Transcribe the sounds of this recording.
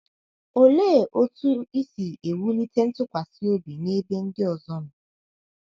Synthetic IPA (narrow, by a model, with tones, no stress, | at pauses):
o˨leː˦˨ʔo˦tu˦i˦si˨e˨wu˦ni˦te˦n̩˦tʊ˦kʷa˨sɪ˦o˦bi˨ne˦be˦n̩˦dɪ˦ɔ˨zɔ˦nʊ˨